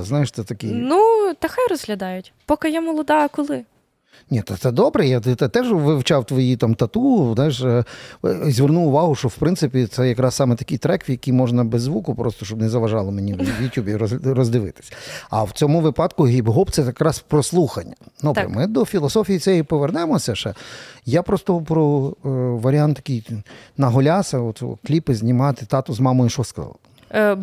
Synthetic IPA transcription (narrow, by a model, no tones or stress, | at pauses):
znɑjɪʃt̪ɛt̪ɐkɪjnut̪ɐxajrɔzɦlʲɐd̪ɑjʊtʲpɔkɪjɛmɔlˠɔd̪ɑɐkɔlˠɪ | nʲit̪ɐt̪sɛd̪ɔbɾɛjat̪ɪt̪ɪt̪ɛʒʋɪwt͡ʃɑwt̪ʋɔjit̪amt̪ɐt̪uzɑjɪʃ | zʲʋernuwʊʋɑɦʊʃt͡ʃɔwpɾɪnsɪpʲit̪sɛjɐkɾɑssɑmɛt̪ɐkijt̪ɾɛkʋʲjɐkijmɔʒnɐbezːʋukʊpɾʔɔst̪ɔʃt͡ʃɔbnɛzɐʋɐʒɑlˠɔmenʲiwjʊtʲubʲiɾrɔzd̪ɪʋɪ̰t̪ɪ̥sʲɐ̥ɐ̰wt͡sʲɔmʊʋɪpɑd̪kʊɦʲibɦɔpt̪sɛjɐkɾɑspɾɔslˠuxɐnʲːɐnɔbɾɐ̰mɪd̪ɔfʲilˠɔsɔfʲijisɛjipɔʋernɛmɔsʲɐʃɛjapɾɔst̪ɔpɾɔ | ʋɐɾʲɪant̪t̪ːɐ̥kʲijnɐɦɔlʲasɐɔt̪sɔ̰klʲipɪzʲnʲɪmɑt̪ɪt̪ɑt̪ʊzmɑmɔjiʃɔskɐɑ̰lˠ